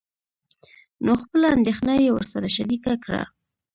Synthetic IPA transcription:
noxpəlaa̰nd̪exnajewəɾsaɾaʃaɾikakɽa̰

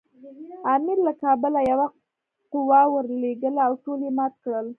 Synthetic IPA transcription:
ɑmɪɾlakɑbəlajawa | qʊwɑwəɾleɡəlawʈolemɑt̪̚kɽəl

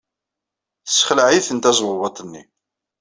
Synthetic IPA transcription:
θəsːχlʕiθənt̪æzˤwvɑt̪ˤnːḭ

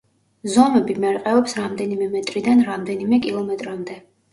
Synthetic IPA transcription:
zɔmɛbimɛɾqʼɛɔpsɾamd̪ɛnimɛmɛt̪ʼɾid̪anɾamd̪ɛnimɛkʼilˠɔmɛt̪ʼɾamd̪ɛ

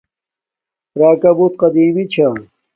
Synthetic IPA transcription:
ɾaːkɐbut̪̚qɐd̪iːmit͡ɕʰa

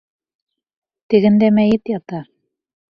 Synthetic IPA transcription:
t̪ɘ̆ɡɘ̆nd̪æmæjɘt̪jɑt̪ɑ

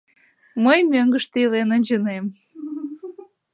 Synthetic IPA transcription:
məjmøŋɡəʃt̪eilenənʲd͡ʑənem

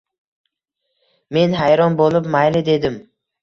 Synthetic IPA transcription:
me̞nɦajɾɒnbolˠɪpmajlɪd̪e̞d̪ɪm

